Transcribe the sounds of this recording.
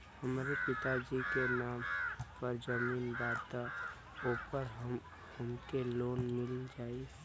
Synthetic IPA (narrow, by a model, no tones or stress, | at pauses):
həmaɾepɪt̪ad͡ʒikenaːmpəɾd͡ʒəmiːnbaːt̪a | uːpəɾɦəm | ʊnkeloːnmɪlĩd͡ʒaːi